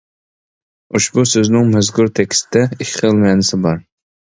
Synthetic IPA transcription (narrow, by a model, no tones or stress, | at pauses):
uʃbusøznɪŋmɛzɡuɾt̪ʰɛkʲst̪ɪd̪ɛikʲʰəlˠmɛnɪsɪbɑɾ